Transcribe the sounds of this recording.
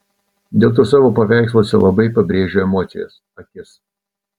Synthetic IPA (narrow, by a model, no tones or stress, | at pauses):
d̪ʲeːlˠt̪oːsɑːʋoːpɐʋʲæˑɪkslˠoːsʲɛlˠɐbɐɪpɐbʲɾʲeːʒʲoːɛmoːt̪sʲɪ̰jɛ̰s | ɐkʲɪs